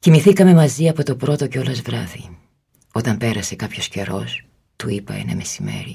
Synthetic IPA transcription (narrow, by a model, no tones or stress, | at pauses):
cimiθikɐme̞mɐziɐpo̞t̪o̞pɾo̞t̪o̞ceo̞lɐzvɾɐði | o̞t̪ɐmpe̞ɾɐse̞kɐpço̞sce̞ɾo̞s | t̪uipɐḛnɐ̰me̞sime̞̰ɾi